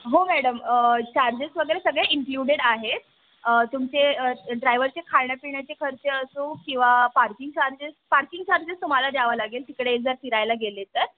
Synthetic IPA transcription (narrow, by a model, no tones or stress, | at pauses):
ɦomæɽəmət͡ɕaɾd͡ʑesʋəɡəɾesəɡɭeʔiŋkluɽeɽaɦet̪̚ | ət̪umt͡seəɖɾajʋəɾt͡ɕekʰaɭɳjapiɳjat͡ɕekʰəɾt͡seəsũːkĩw̃ʋapaɾkiŋɡt͡ɕaɾd͡ʑespaɾkiŋɡt͡ɕaɾd͡ʑest̪um̤alad̪jaʋalaɡelt̪ikɽeːd͡zəɾt̪iɾajlaɡelet̪əɾ